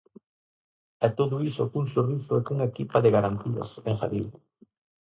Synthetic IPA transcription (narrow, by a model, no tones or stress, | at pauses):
ɛt̪oðʊisʊkuŋsorisʊekuŋekipaðeɣaɾant̪iɐ̰seŋxa̰ðḭl